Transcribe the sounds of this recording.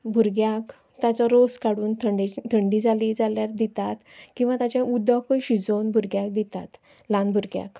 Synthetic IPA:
bʱuɾɡjak | t̪at͡sɔɾoskaɽuːnt̪ʰəɳɖit̪ʰəɳɖid͡zalid͡zaljaɾd̪it̪at̪kĩw̃ʋat̪at͡ɕãʔud̪ːakəɕid͡zonbʱuɾɡjak̚d̪it̪a̰t̪ | lãnbʱuɾɡja̰k

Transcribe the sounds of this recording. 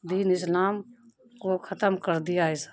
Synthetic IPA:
d̪iːnɪs̬laːm | kokʰət̪əmkəɾd̪ijaɪs

